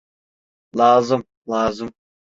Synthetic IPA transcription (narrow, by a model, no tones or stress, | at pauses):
lˠɑːzɯm | lˠɑːzɯm